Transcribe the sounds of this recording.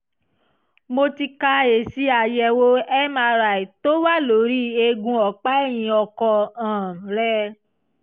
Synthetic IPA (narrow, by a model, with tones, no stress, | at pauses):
mo˧ti˧ka˧e˨si˧˦a˨jɛ˧˨wo˦ɛ˦ma˧ɾa˨i˨to˦wa˦˨lo˨˦ɾi˦e˧ɡũ˧ɔ˨k͡pa˦ɛ˦˨j̃ĩ˧ɔ˧kɔ˧ãː˨ɾɛ˦